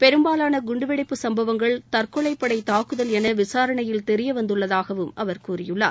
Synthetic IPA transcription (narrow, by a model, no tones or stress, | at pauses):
pɛɾɯmbaːlaːnɐɡʊɳɖɯʋɛɽɪpːɯsɐmbɐʋɐŋɡɐɭt̪ɐrkɔɭɐɪpːɐɽɐɪt̪aːkɯðɐlɛnɐʋɪsaːɾɐɳɐjɪlt̪ɛɾɪjɐʋɐnd̪ɯɭːɐðaːɣɐʋɯmʔɐʋɐɾkuːrɪjɯɭːa̰ː